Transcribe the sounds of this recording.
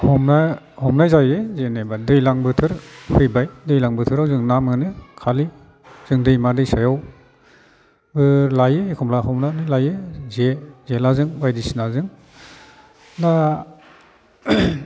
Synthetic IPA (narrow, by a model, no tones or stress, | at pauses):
hɔmna | hɔmnajzajezenebadɯjlaŋbɯtʰɯɾhʰɯjbajdɯjlaŋbɯtʰɯɾawzɯŋnamɯnɯkʰali | z̥ɯŋdɯjmadɯjsajaw | bɯlajekʰɔmlaɦɔmnanɯlajezezelazɯŋbajdisinazɯŋ | da